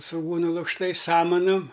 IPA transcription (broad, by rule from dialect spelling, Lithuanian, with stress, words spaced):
sʋʊˈɡuːnʊ lˠʊkʃˈtɐɪs ˈsɑːmɐnʊm